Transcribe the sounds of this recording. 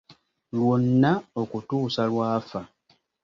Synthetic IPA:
lwonːao̞kutuːsalwaːfa

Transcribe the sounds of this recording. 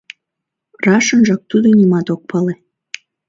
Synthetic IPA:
rɑʃənʒɑk̚t̪ud̪onʲimɑt̪ok̚pɑle

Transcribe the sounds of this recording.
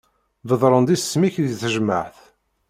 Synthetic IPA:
vəðˤɾˤənd̪issːmiçðθəʒmə̰ʕθ

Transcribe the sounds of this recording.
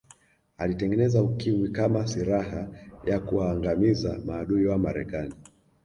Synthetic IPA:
alitɛŋɡɛnɛzaukiwikamasiɾaɦajakuwaːŋɡamizamaːɗuiwamaɾɛ̰kani

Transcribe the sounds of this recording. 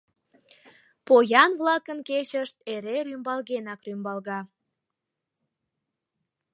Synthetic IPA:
pojɑnβlɑkənket͡ɕəʃt̪eɾeɾymbɑlɣenɑkrymbɑlɣɑ

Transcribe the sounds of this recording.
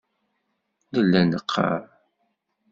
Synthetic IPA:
ləlːænəqʰːɑ̰ɾˤ

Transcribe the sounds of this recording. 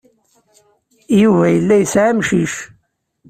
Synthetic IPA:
juvæjəlːæjsʕæmʃiʃ

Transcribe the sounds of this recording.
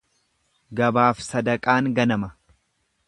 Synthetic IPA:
ɡɐbaːfsɐd̪ɐkʼaːŋɡɐnɐmɐ

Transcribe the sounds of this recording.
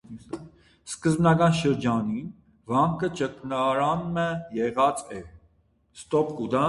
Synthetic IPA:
skəzbnɑɡɑnʃəɾd͡ʒɑnin | vɑŋkʰət͡ʃəknɑɾɑnməjɛʁɑt͡sɛ | st̪ɔpkud̪ɑ

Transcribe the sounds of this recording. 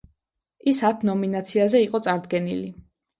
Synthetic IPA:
isat̪ʰnɔminat̪sʰiazɛiqʼɔt̪sʼaɾd̪ɡɛnḭli

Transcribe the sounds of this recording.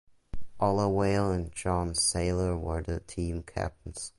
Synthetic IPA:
ʔɔlˠəweɪlˠə̃nd͡ʒɑ̃nz̥seɪlˠə˞wə˞ðɨtʰĩmkʰæ̰p̚tn̩z̥

